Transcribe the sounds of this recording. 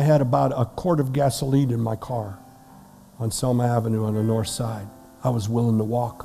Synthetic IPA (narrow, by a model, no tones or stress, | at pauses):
ɪɨɾəbaʊɾəkʰɔɹɾʌvɡæsəliɾɨ̃nmaɪkʰɑɹ | ə̃nsɑmə˞ævɨnuə̃nðɨnɔɹθsaɪd | aɪwʌzwɪlˠɪ̃ŋtʰəwɔk